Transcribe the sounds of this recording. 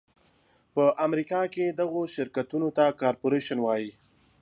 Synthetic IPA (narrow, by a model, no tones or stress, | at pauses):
pəʔamɾikɑked̪aɣoʃɪɾkat̪unot̪akɑɾpoɾeʃanwɑji